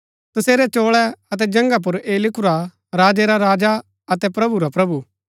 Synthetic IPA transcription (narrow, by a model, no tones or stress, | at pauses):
t̪ɐseːɾɛt͡ʃoːɭɛɐt̪ɛd͡ʒɐ̃ŋɡap̬ʊɾeːlɪkʊɾa | ɾaːd͡ʒɛɾaɾaːd͡ʒa | ɐt̪ɛpɾɐbuɾapɾɐbu